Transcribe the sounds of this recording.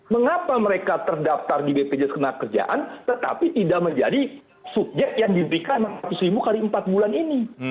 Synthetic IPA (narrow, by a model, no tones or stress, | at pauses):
məŋapaməɾekat̪ərdaft̪ardibeped͡ʒɛskənakərd͡ʒa̰ʔa̰nt̪ət̪a̰pit̪idaʔməɲd͡ʒadi | suk̚d͡ʒɛʔjaŋdibəɾikanmaŋat̪ʊsɾibukaɾiəmpat̪̚bulanini